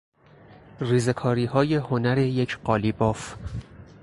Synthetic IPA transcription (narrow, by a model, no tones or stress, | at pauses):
riːze̞kʰɒːɾiːhɒːje̞honæɾe̞jecʰɢɒːlibɒːf